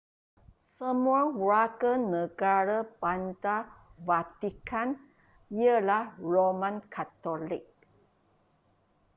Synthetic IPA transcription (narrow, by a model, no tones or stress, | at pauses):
səmuawɹakənəɡaɾəbant̪avat̪ikan | jəlahɹomãnkʰat̪olik̚